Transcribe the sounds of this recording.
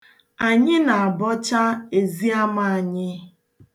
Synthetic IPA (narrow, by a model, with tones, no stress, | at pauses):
a˨ɲɪ˦na˨a˨bɔ˦t͡ʃa˦e˨zi˦a˦ma˨a˨ɲɪ˦